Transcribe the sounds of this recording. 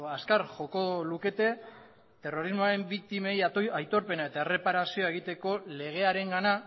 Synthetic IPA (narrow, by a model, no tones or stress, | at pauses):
askaɾxo̞ko̞luke̞t̪e̞ | t̪e̞ro̞ɾizmoaɾe̞mbikt̪ime̞jajt̪o̞ɾpe̞nae̞t̪ae̞re̞paɾasio̞ae̞ɣ̞it̪e̞ko̞le̞ɣ̞e̞aɾe̞ŋɡana